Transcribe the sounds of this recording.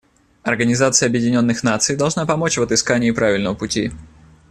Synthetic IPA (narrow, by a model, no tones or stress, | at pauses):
ɐrɡənʲɪzat̪sɨjəɐbjɪdʲɪnʲo̞nːɨxnat̪sɨjd̪ɐlˠʐnapɐmo̞t͡ɕvət̪ɨskanʲɪːpɾavʲɪlʲnəvəpʊtʲi